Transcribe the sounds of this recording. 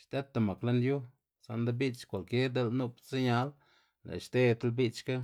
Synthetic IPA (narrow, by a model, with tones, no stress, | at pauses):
ʃt̪e˦t̪ːa˧ma˨kla˦nju˦ | sa˧nd̪a˦bi˦t͡ʃkʷa˨lke˦ɾd̪e˧lnu˦pt͡sa˦ɲa˧˦l | lḛ˨ʃt̪e˦t̪a˦lbi˦t͡ʃka˦